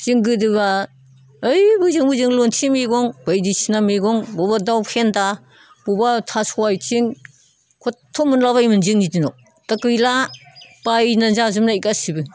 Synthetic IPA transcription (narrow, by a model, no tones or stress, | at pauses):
z̥iŋɡɯdɯβa | ɯjbɯzɯŋbɯzɯŋlontʰimiɡɔŋbajdisinamiɡɔŋbɔbadawkʰenda | b̥ubatʰasɔwajtʰiŋ | kʰɔtʰːɔmɯnlaβajmɯnziŋnidinɔ | takɯjlapajnazazmnaikasibɯŋ